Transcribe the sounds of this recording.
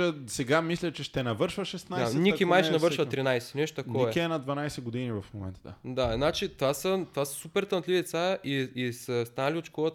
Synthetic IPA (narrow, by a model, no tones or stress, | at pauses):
əsɛɡamislʲɐt͡ʃɛʃt̪ɛnɐvɤɾʃvəʃɛst̪najanikʲimajʃnɐʃvɤɾʃvɐt̪ɾinajsɛ̥nɛʃt̪o̥t̪ɐkɔɛkʲiɛnɐd̪vɐnajsɛɡod̪inivɐfmomɛ̰nt̪əd̪a̰d̪anat͡ʃit̪vasət̪vasə̥supɛɾt̪ɐnt̪lʲivid̪ɛt̪saiisɐst̪anɐlʲiot̪ʃkɔət̪